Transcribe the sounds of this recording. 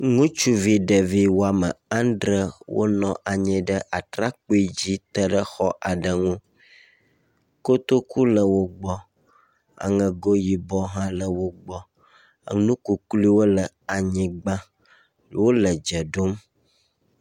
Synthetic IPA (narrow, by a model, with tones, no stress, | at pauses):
ŋũ˦t͡ʃu˦vi˦ɖə˨vi˦wo˦a˨mə̰˨ã˦nɖɾə˦wʔo̰˦nɔ̃˨ʔa˨ɲɛ̃˨ɖə˦ʔa˨t̪ɾa˦k͡po˦i˦d͡ʑi˦t̪ə˦ɖə˦xɔ˦ʔa˨ɖə˨ŋũ˦ | ko˦t̪o˦ku˦lə˨wo˦ɡ͡bɔ˦ | a̰˨ŋə̃˨ɡo˦ji˨bɔ˦ɦã˦lə˨wo˦ɡ͡bɔ˦ | a̰˨nũ˦ku˨kli˦wo˦lə˨ | a˨ɲĩ˨ɡ͡bã˦ | wo˦lə˨d͡ʒə˨ɖo˦m